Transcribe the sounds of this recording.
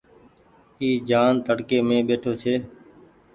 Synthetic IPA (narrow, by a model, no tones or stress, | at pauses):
iːd͡ʒaːnt̪əɽkeːmẽːɓeːʈʰoːt͡ʃʰeː